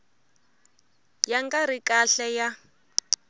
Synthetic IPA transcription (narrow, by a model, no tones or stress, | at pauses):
jaŋɡaɾikʼaɬɛja